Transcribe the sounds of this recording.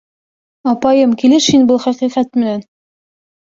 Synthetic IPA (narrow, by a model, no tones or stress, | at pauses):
ɒpɑjɤmkilɘʃhinbɤlˠχæqiqæt̪̚mɘ̆næn